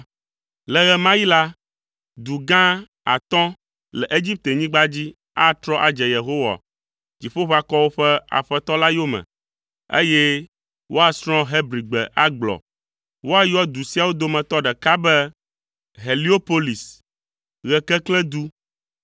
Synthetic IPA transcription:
lɛ˨ɣɛ˨mã˦ji˦la˦ | d̪u˨ɡã˦ | a̰˨t̪ɔ̃˦ | lɛ˨ʔe˦d͡ʑi˦p̚t̪e˨ɲĩ˦ɡ͡ba˦d͡ʑi˦ | a˦t̪ɾɔ˦ʔa˨d͡ʒɛ˨je˨ɦo˦wa̰˨ | d͡ʑi˨ɸo˦ɸa˨kɔ˦wo˦ɸɛ˦a̰˨ɸɛ˦t̪ɔ˦la˦jo˦mɛ̰̃˨ | ḛ˦jɛ˦ | wʔo˦a˨sɾ̃ɔ̃˦ɦɛ˦bɾi˨ɡ͡bɛ̰˨ʔa˦ɡ͡blɔ̰˨ | wo˦a˦jɔ˦d̪u˨si˦a˨wo˦d̪o˦mɛ̃˨t̪ɔ˦ɖɛ˨ka˦bɛ˦ | ɦe˨li˦o˦po˦li˨s | ɣɛ˨kɛ˦klɛ˦d̪u˦

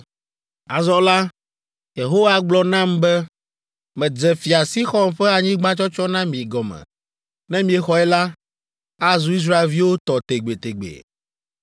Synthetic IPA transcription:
a˨zɔ˦la˦ | je˨ɦo˦wa˦ɡ͡blɔ˦nã˦mbɛ˦ | mɛ̃˨d͡zɛ˨fi˨a˨si˦xɔ˦mɸɛ˦a˨ɲĩ˦ɡ͡ba˦t͡ʃɔ˦t͡ʃɔ˦nã˦mĩ˨ɡɔ˨mɛ̰̃˨ | nɛ̃˦mĩ˨ɛ˨xɔ˨ɛ˦la˦ | a˦zu˨˦i˦s̬ɾa˦e˨lvi˦wo˦t̪ɔ˨t̪e˨ɡ͡be˨t̪e˨ɡ͡bḛ˨

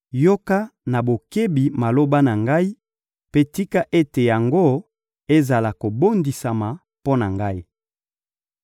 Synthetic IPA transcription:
jo˦ka˦na˨bo˨ke˦bi˨ma˨lo˦ba˦na˨ŋɡa˦i˦ | pe˦ti˦ka˦ʔe˦te˨ja˨ŋɡo˦ | e˦za˨la˨ko˨bo˦ndi˨sa˨ma˨ | po˦na˨ŋɡa˦i˦

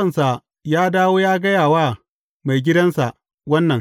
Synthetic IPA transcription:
ɐ˦˨nsa˨ | jaː˦daː˦woː˦jaː˦ɡɐ˦jaː˨waː˦ | ma˨jɡʲɪ˦dɐ˦nsa˨ʔ | wɐ˦nːɐ˨ŋ

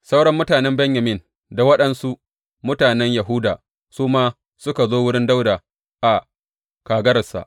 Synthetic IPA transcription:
sa˦wɽɐ˦mːʊ˦taː˨nɛ˦mbɛ˦ɲja˨mɪ˦˨n | da˨wɐ˦ɗɐ˨nsu˦ | mʊ˦taː˨nɛ˦ɲja˨ɦʊː˦daː˨ | suː˦maː˦ | sʊ˦ka˨zoː˦wʊ˦ɽɪ˦nda˦wda˨ | ʔa˨ | kaː˨ɡɐ˦ɾɐ˨sa̰˨ʔ

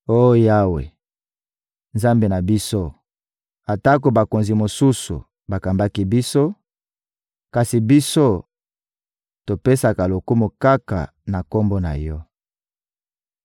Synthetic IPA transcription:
o˦ja˦wḛ˨ | nza˦mbe˨na˨bi˦so˦ | a˨ta˦k̬o˨ba˨ko˨nzi˨mo˨su˦sṵ˨ | ba˨ka˨mba˦ki˦bi˦so˦ | ka˨si˨bi˦so˦ | to˨pe˦sa˨ka˨lo˨ku˦mo˨ka˦ka̰˨ | na˨ko˦mbo˦na̰˨jɔ˦

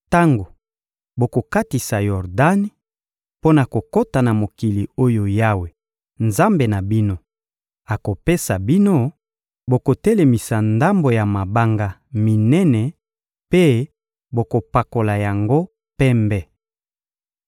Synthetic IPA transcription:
ta˦ŋɡo˨ | bo˨ko˨ka˦ti˨sa˨jɔ˨ʁda˦ni˦ | po˦na˨ko˨ko˦ta˨na˨mo˨ki˨li˨o˦jo˨ja˦we˨ | nza˦mbe˨na˨bi˦no˦ | a˨ko˨pe˦sa˨bi˦no˦ | bo˨ko˨tɛ˦le˨mi˨sa˨nda˦mbo˨ja˨ma˨ba˦ŋɡa˦mi˨nɛ˦nɛ˨ | pe˦ | bo˨ko˨pa˨ko˨la˨ja˨ŋɡo˦ | pɛ˦mbɛ˦

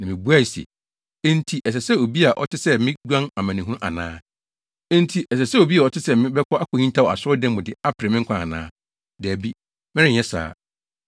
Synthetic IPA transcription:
nã˨mɪ̃˨bu˦a˦˨si˨ɛ̰˨ | ẽ˦n˦tʰi˨˦ʔɛ˨s̬ɛ˨sɛ˦o˨bi˦a˨ʔɔ̰˦tʰɪ˦sɛ˦mɪ̃˦ɡᶣã˦na˨mã˨nĩ˨ɦũ˦ʔa̰˨nã̰ː˦ | ẽ˦n˦tʰi˨ʔɛ˨sɛ˨sɛ˦o˨bi˦a˨ɔ˦tʰɪ˦sɛ˦˨mɪ̃˦bɛ˦kʰɔ˦ʔa˦kʰʊ˨hĩ˦n˦tʰa˦˨ɔ˨a˨sʊ˦ɔ˦dɛ̃˦m˦mʊ̃˨dɪ˨a˦pʰɪ˨ɾɛ˨mɪ̃˦ŋ̩˦kʰã˦˨a˨nã̰ː˦ | dɛ˨æ˨bi˦ | mɪ̃˦ɪ̃˦˨ɛ˦sa̰ː˨

